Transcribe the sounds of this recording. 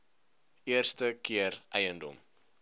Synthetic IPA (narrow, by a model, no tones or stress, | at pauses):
iərstəkiərʔɛjəndɔ̰m